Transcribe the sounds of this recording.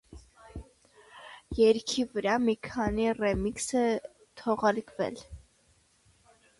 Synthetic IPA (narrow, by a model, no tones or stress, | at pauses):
jɛɾkʰivəɾɑmikʰɑnirɛmiksə | t̪ʰɔʁɑɾkvɛ̰l